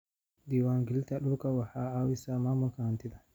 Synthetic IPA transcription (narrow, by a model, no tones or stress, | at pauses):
d̪iːwaŋɡɪlt̪aɗɔkawaħaawɪsamaːmʊlkahant̪ɪd̪a